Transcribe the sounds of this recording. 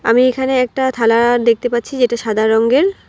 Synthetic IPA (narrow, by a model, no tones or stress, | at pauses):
a̰miekʰaneɛk̚ʈat̪ʰalad̪ek̚t̪epatːɕʰid͡ʑeʈaʃad̪ʱaɾoŋɡeɾ